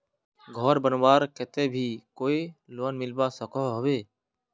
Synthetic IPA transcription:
ɡʱɔːɾbənʋaːɾkeːt̪eːbʱiːkoːiːloənmɪlbaːsəkʰoːɦəʋeː

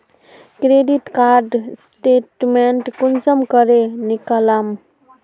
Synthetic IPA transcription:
kɾeɖiʈkaɾɖsʈeʈmeɳʈkunsəmkəɾenikalam

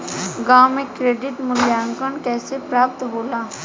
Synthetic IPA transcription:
ɡaːwmẽkɾeːɖɪʈmʊljaːŋkəɳkɛːsepɾaːp̚t̪ɦoːlaː

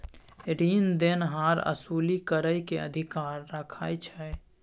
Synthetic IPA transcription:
ɾiːnd̪enɦaɾə̰suːlikəɾəjkeə̰d̪ʱikaːɾːəkʰajt͡ʃʰɛj

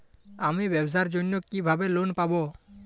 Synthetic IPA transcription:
amibɛbs̬aɾd͡ʒonːokibʱabelonpabo

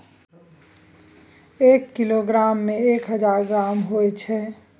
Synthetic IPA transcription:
ekːiloɡɾamːeekɦəd͡ʒaɾɡɾamɦojt͡ʃʰɛ

